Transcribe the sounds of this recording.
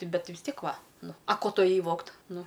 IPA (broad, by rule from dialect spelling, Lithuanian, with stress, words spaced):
ˈtʲɪ ˈbʲɛt ʋʲɪs ˈtʲiɛk ˈʋɐ ˈnʊ ɐ ˈkoː ˈtʊ eːˈjɛɪ ˈʋoːkt ˈnʊ